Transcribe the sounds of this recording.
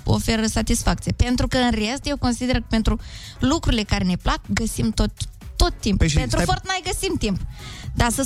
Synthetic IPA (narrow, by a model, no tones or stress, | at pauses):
o̞̰fe̞ɾəsat̪isfak̚t̪sijepe̞nt̪ɾukəɨnrest̪jewko̞nsid̪e̞rkəpe̞nt̪ɾu | lukɾuɾile̞kaɾe̞ne̞plakɡəsimt̪ot̪ːo̞t̪ːimppenɾufort̪majɡəsimt̪impd̪asə